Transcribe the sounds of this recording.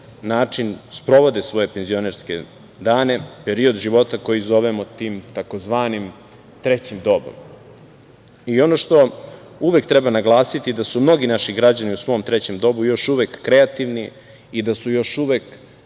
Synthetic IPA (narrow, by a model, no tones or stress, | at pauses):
naːt͡ʂinspɾo̞ʋo̞d̪esʋo̞je̞penzio̞neɾske | d̪aːne̞pe̞ɾio̞d̪ʒiʋo̞t̪ako̞jizo̞ʋemot̪iːmt̪ako̞zʋaːnim | t̪ɾet͡ɕimd̪o̞bo̰m | io̞no̞ʃt̪o̞ | uʋe̞k̚t̪ɾe̞banaɡlˠaːsit̪ied̪asumno̞ɡinaʃiɡɾad͡ʑaniusʋo̞ːmt̪ɾet͡ɕe̞md̪o̞bujo̞ʃuʋekːɾeat̪iʋniː | d̪asujo̞ʃuʋek